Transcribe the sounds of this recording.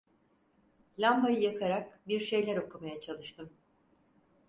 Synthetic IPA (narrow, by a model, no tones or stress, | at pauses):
lʲambajɯjakʰaɾak̚biɾʃe̞jlʲæɾo̞kʰumajat͡ʃʰalˠɯʃt̪ɯm